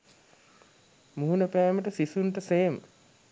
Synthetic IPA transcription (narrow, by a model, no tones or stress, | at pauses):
muɦunəpæːməʈəsisunʈəseːm